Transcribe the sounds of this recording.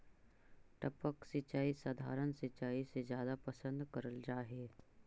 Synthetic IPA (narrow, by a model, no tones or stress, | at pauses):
ʈəpəksɪt͡ʃaːisaːd̪ʱa̰ːɾənsɪt͡ʃaːisezjaːd̪apəsə̃nd̪kɐɾəld͡ʒaːɦeː